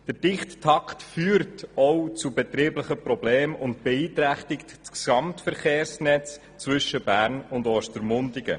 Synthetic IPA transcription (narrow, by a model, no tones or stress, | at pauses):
d̥əɾd̥ɪχttʰɑkχtfyːɾtɔwt͡subɛt̪ɾiːbləχəprɔbleːmʊntb̥eɛiːt̪ɾæχtɪktksɑmtfəɾχeːrsnɛt͡s | t͡svʏʃəbæːɾnʊndɔʃtəɾmʊndɪɡə̰